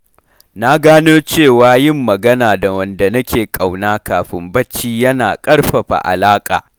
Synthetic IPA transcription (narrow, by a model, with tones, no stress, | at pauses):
na˦ɡaː˦noː˦t͡ʃeː˦˨waː˨˦jɪ˦˨mːɐ˨ɡɐ˦naː˨da˨wɐ˨nda˨nɐ˦kʲeː˨kʼa˨wnaː˦kaː˨ɸɪ˦mbɐ˦t͡ʃːiː˦jɐ˦naː˨kʼɐ˦ɽɸɐ˨ɸa̰˨ʔa̰˨laː˦kʼa̰ː˨